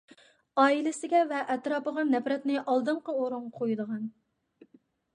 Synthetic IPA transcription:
ɑːilɪsɪɡʲɛvɛʔɛt̪ɾɑːpəʁɑnɛpɾɛt̪nɪʔɑlˠd̪ɨɴqəoɾuŋqʰojd̪əʁɑn

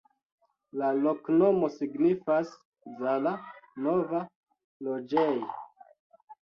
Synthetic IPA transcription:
lalo̞kno̞mo̞siɡnifas | zalano̞va | lo̞d͡ʒej

